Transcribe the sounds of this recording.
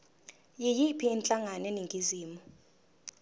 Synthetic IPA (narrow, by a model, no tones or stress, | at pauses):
jijipʰiːnt͡ɬʼaŋanɛniŋɡʱiziːmu